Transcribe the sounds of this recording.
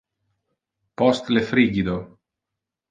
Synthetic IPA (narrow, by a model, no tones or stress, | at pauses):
post̪lefɾiɡid̪o